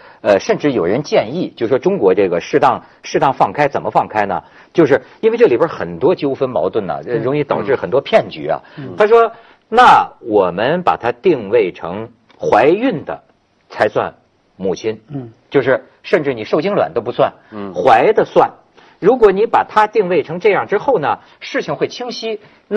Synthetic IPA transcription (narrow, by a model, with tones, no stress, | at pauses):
ə˧ʂə˥˧nʈ͡ʂɻ̩˥˩jo˨˩ʊɻə˧˦˥nt͡ɕjɛ˥˧ni˥˩t͡ɕjo˥˧ʂwɔ˥ʈ͡ʂʊ˥ŋkwɔ˧˥ʈ͡ʂɤ˥˩ɡə˩ʂɻ̩˥˧t̪ɑ˥˧ŋ | ʂɻ̩˥˧t̪ɑ˥˧ŋfɑ˥˩ŋkʰa˥ɪt͡sə˨˩nmə˦fɑ˥˩ŋkʰa˥ɪnə̰˨ | t͡ɕjo˥˧ʊʂ̬ɻ̩˥˩i˥nwe˥˧ɪʈ͡ʂɤ˥˩li˨˩bə˞˧˥xə˨˩nt̪wɔ˥t͡ɕjo˥ʊfə˥nmɑ˧˥ʊt̪wə˥˩nnə̰˩ɻʊ˧˥ŋi˥˩t̪ɑ˨˩ʊʈ͡ʂɻ̩˥˩xə˨˩nt̪wɔ˥pʰjɛ˥˩nt͡ɕy̰˧˥ɐ̰˧˩t̪ʰa˥ʂwɔ˥ | na˥˩wɔ˨˩mə˦npa̰˨˩t̪ʰa˥t̪i˥˧ŋwe˥˩ɪʈ͡ʂʰɤ̰˧˥ŋ | xwa˧˥ɪy˥˩nd̪ə̰˩ | t͡sʰa˧˥ɪswa̰˥˧n | mu˨˩t͡ɕʰi˥nt͡ɕjo˥˧ʊʂɻ̩˥˧˩ | ʂə˥˧nʈ͡ʂɻ̩˥˩ni˨˩ʂo˥˩ʊt͡ɕi˥ŋlwa̰˨˩nt̪o˥ʊpu˧˥swa˥˩nxwa˧˥ɪd̪ə˧swa˥˩n | ɻu˧˥k̬wɔ˧˥ni˧˥pa̰˨˩t̪ʰa˥t̪i˥˧ŋwe˥˩ɪʈ͡ʂʰɤ˧˥ŋʈ͡ʂɤ˥˧jɑ˥˩ŋʈ͡ʂɻ̩˥xo˥˩ʊnə˩ | ʂɻ̩˥˩t͡ɕʰi˧˩ŋxwe˥˩ɪt͡ɕʰi˥ŋɕi˥ | n˥